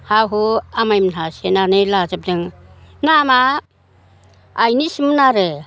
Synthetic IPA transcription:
hawɦuamajmnasenanɯlazap̚dɯŋnama | jnisimɯnaɾɯ

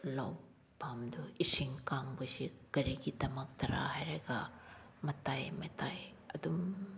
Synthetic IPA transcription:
law | pamdɔisiŋkaŋbɯsikɐɾiɡitɐmɐk̚tʰɐɾʔa̰hajɾaɡa | mɐtajmɐtajɐ̰dum

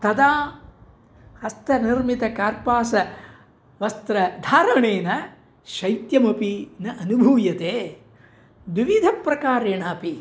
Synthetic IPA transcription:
t̪ɐd̪aː | hɐst̪ɐniɾmit̪ɐkaːɾpaːsɐ | ʋɐst̪ɾɐd̪ʱaːɾɐɳeːnɐ | ʃɐjt̪jɐmɐpinɐʔɐnubʱuːjɐt̪eː | d̪ʋiʋid̪ʱɐpɾɐkaːɾeːɳaːpi

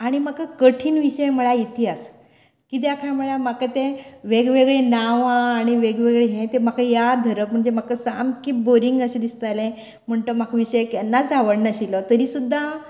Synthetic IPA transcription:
aɽ̃imakakəʈʰiːnʋiɕəjmuɭjait̪ʰias | kit̪̬jakʰajamuɭjamakat̪eʋeɡʋeɡɭenaʋãːɽ̃iʋeɡʋeɡɭeɦẽt̪em̤akajad̪ʱəɾəpm̤əɳd͡zemakəsamkiboɾiŋɡəɕed̪ist̪alẽ | m̤əɳt̪omakʰʋiɕəjkɛnːad͡zaʋəɽnəɕilɔt̪əɾiːsud̪ʱːa

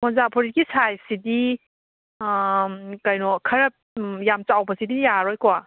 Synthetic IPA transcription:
mɔzapʰɔɾiɡisajsidi | kajnɔkʰɐɾɐp̚jamt͡ʃawbɐsidijaɾɔjkɔa

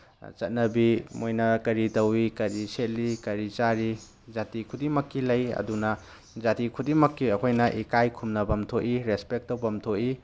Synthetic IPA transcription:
t͡ʃɐt̚nɐbimojnɐkɐɾitɐwikɐɾiset̚likɐɾit͡ʃaɾi | d͡ʒatikʰudimɐkːilɐjɐ̰dunɐ | d͡ʒatikʰudimɐkːiɐkʰojnɐʔikajkʰumnɐbɐmtʰoʔiɾespek̚tɐwbɐmtʰoʔi

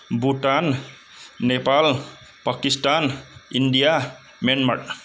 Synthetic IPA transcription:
buʈanː | epal | pakisʈaniɳɖija | menməʈ

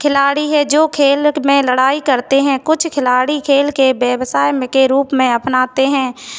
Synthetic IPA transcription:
kʰɪlaːɽiɦɛd͡ʒoːkʰeːlmẽləɽaːikɐɾt̪eɦɛ̃kʊt͡ʃʰkʰɪlaːɽikʰeːlkebjɛbsaːjmkeɾuːpmẽɐpnaːt̪eɦɛ̃ː

